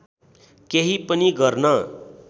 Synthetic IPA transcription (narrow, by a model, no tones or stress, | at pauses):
keɦipəniɡʌɾna